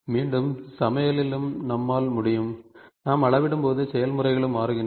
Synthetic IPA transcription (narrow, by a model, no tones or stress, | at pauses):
miːɳɖɯmsɐmɐjɐlɪlɯmnɐmːaːlmʊɽɪjɯmnaːmɐɭɐʋɪɽɯmpoːðɯsɛjɐlmɯrɐɪɣɐɭɯmaːɾɯɣɪndr